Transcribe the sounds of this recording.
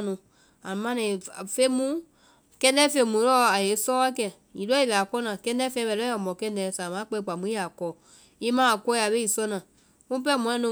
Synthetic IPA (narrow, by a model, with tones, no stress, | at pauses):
nũ˨˧ | a˨ũ˨mã˧nĩ˨fe˦mũ˦ | kɛ̃˧˦dɛ˦fe˧˦mũ˨˦lɔ˦a˨je˨˦sɔː˦a˦kɛ˨ | i˨dɔ˦i˨lɛ˨a˨kɔ˧˦nãː˨kɛ̃˧˦dɛ˦fɛ̃˧˦bɛ˧˨lɔ˦a˨mɔ̃˨kɛ̃˧˦dɛː˨˦sa˨mã˨˦k͡pɛ˧i˧˦k͡pa˨mũ˨˦i˦a˨kɔː˨˦ | i˦mãː˦a˨kɔ˧˦i˦a˨ɓe˦i˨sɔ˧˦nãː˨ | mũ˦p̬ɛ˦mɔ̃˧ɔ̃˧˦nũ˧